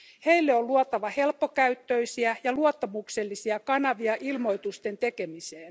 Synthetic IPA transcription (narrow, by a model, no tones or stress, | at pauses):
he̞ilːeolluot̪ɑʋɑhe̞lpːo̞kæyt̪ːøisiæjɑluot̪ːɑmukselːisiɑkɑnɑʋiɑʔilmo̞jt̪ust̪e̞nt̪e̞kemiseːn